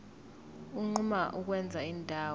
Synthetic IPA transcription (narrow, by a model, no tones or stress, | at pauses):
uŋ͡ǃumaʔuk̬wɛnd͡zʱaiːndʱaːw